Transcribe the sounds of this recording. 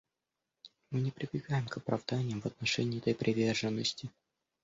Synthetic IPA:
mɨnʲɪpɾʲɪbʲɪɡajɪmkəpɾɐ̰vd̪anʲɪjəmvət̪nɐʂɛnʲɪːɛt̪əjpɾʲʔɪvʲe̞rʐɨnːəsʲtʲɪ

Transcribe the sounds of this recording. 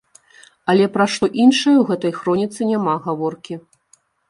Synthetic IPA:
ɐlʲɛpɾaʂt̪ɔʔinʂɐjɐwɣɛt̪ɐjxɾɔnʲit̪sɨnʲamaɣavɔrkʲi

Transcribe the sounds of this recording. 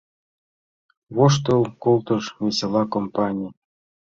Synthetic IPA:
βoʂ̬t̪ɤlˠkolˠt̪ɤʃvʲesʲelˠɑkompɑnʲij

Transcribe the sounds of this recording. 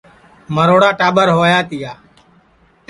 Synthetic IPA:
məɾoːɽaːʈaːɓəɾɦoːjaːt̪ɪjaː

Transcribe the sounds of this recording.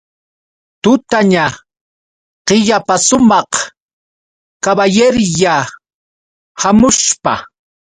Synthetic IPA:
t̪ʊt̪aɲa | qɪʎapasʊmɑχ | kaβajeɾja | hamʊʃpa̰

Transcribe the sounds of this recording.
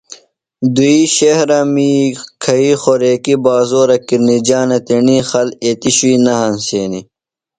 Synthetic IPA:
d̪uiɕehɾɐmikʰɐixoɾeːkibaːzoːɾɐkiɾnid͡ʑaːnɐt̪enixɐlet̪iɕuiːnɐɦɐnseːni

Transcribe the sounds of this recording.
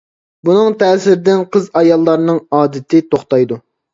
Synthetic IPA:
bunɨŋt̪ʰɛːsɪɾɪd̪ɪnqʰəzɑjɑlˠːɑɾnɨŋɑːd̪ɪt̪ʰɪt̪ʰoχt̪ɑjd̪u

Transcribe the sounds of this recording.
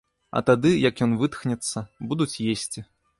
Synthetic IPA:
ɐ̰t̪ad̪ɨjɐkjɔnvɨt̪xnʲɛt̪sːɐbud̪ut͡sʲjesʲt͡sʲi

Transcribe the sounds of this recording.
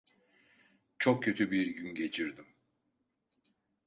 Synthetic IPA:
t͡ʃʰok̚cʰø̞t̪ʰybiɾɟynɟe̞t͡ʃʰiɾd̪im

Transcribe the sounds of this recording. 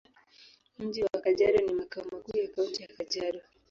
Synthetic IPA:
m̩ʄiwakaʄaɾɔnimakaɔmakuːjakauntijakad͡ʒaɾɔ

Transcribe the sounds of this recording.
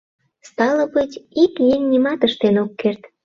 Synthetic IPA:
st̪ɑləbət͡ɕikjemʲnʲimɑt̪əʃt̪enokːert̪

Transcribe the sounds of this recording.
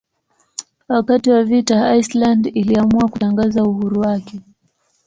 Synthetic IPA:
wakatiwavitaaislandiliamuakutaŋɡazauhuɾuwakɛ

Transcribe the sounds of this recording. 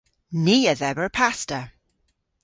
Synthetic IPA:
niːəðɛvəɹpʰastə

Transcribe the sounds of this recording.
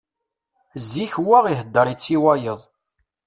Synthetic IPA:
zːiçwaʁiɦəd̪ːəɾˤit͡sːiwɑjəðˤ

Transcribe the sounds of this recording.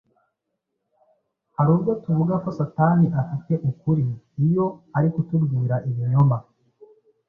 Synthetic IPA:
haɾuːbɡo̞tuvuɡako̞sataːniʔafite̞ʔukuɾiː | jo̞aɾikutubɡiːɾaʔiβjoɲoma

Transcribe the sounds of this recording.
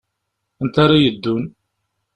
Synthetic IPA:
ənt̪aɾˤajəd̪ːun

